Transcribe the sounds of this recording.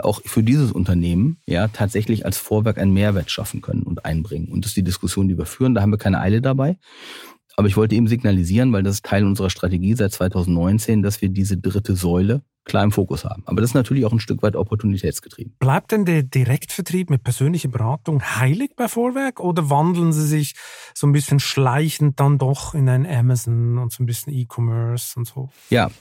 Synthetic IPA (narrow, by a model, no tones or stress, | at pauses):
ʔa̰ʊxfyːɐdiːzəsʔʊ̰ntɐneːmənjaːtʰaːtz̥ɛçlɪça̰lsfoːɐvɛɐkʔa̰ɪnənmeːɐvɛːɐtʃa̰fn̩kʰœ̰nə̰nʊ̰ntʔa̰ɪnbʁɪŋənʊ̰ntd̥std̥iːdɪskʊsjoːndiːviːɐfyːʁəndaːhaːmviːɐkʰaɪnəʔa̰ɪlədabaɪ | ʔaːbɐɪçv̥ɔltəeːbm̩zɪɡnaliziːʁənvaɪldasɪstʰaɪlʊnzəʁ̞ɐʃtʁ̥ateɡiːzaɪt̚t͡sv̥aɪtʰaʊzn̩tnɔʏnt͡seːndasv̥iːɐdiːzədʁɪtʰəzɔʏlə | kʰl̥aːɐɪmfoːkʊsha̰ːbm̩ʔa̰ːbɐdasɪstnatʰyːɐlɪçaʊxnʃtʏkv̥aɪtɔpʰɔɐtʰunitʰɛːtsɡ̥ə̥tʁ̥ḭːb̚m̩b̥laɪp̚td̥ɛndɛːɐdiʁɛktfɛɐtʁ̥iːpmɪt̚pʰɛɐzøːnlɪçɐbəʁaːtʊŋhaɪlɪçb̥aɪfoːvɛɐkʔoːdɐvandl̩ən̩ziːzɪçz̥oːnbɪsçənʃlaɪçn̩t̚d̥andɔχɪnaɪnənɛmaznʊntz̥oːnbɪsçən̩iːkʰɔmœɐsʊntz̥oː | ja̰ː